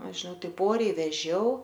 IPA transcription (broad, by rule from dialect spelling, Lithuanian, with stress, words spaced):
ˈɐʃ ʒʲɪˈnɐʊ ˈtɐɪp ˈoːrʲɛɪ ʋʲɛˈʒʲɛʊ